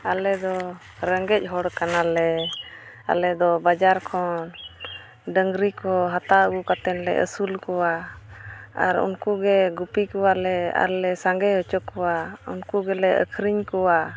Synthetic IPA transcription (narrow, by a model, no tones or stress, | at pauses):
alɛd̪ɔ | ɾəŋɡɛc̚ˀɦɔɽkanalɛ | a̰lɛd̪ɔbad͡ʒaɾkʰɔn | ɖəŋɡɾikɔɦat̪aəɡukat̪ɛnlɛ̰ʔə̰sulkɔwa | aɾṵnkuɡɛɡupikɔwalɛa̰ɾlɛsaŋɡɛhɔt͡ʃɔkːɔwaunkuɡɛlɛʔə̰kʰɾiɲkɔwa